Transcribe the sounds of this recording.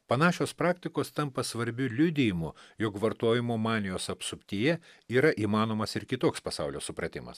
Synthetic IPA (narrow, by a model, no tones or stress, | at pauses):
pɐnɑːʃʲoːspɾɑːkt̪ʲɪkoːst̪ɐmpɐsʋɐɾʲbʲʊlʲʊd̪ʲɪjɪmʊjokʋɐɾt̪uɔjɪmuːmɑːnʲɪjoːsɐpsʊpʲt̪ʲiːjɛiːɾɐʔiːmɑːnoːmɐsɪɾkʲɪt̪oːkspɐsɑʊlʲoːsʊpɾɐt̪ʲɪmɐ̰s